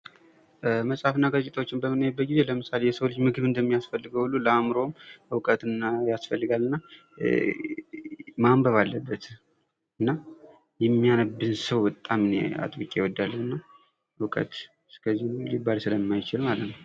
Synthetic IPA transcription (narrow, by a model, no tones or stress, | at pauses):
məsʼhafɨnːaɡət͡ʃʼːɪt̪ʰʼəwot͡ʃːɪnbəmɨnəjt̪̚bːət̪̚ɡize̞ləmɨsalejɛsəwot͡ʃːmɨɡɨβɨnd̪əmːijasfəlːɨɡəwhulːuləamɾo̞mwkʼət̪ɨnːajasfəlːɨɡalːɨnːa | mambəβalːəbːət̪ | ɨnːa | jɛmːijanəbːɨnsəwbət̪ʼːamɨnḛa̰t̪ʼwikʼjɛwɔd̪ːalːənɨnːa | ɨkʼə̰t̪ | skʰəzːihnlibːalsɨləmːajt͡ʃɪlmalət̪nəw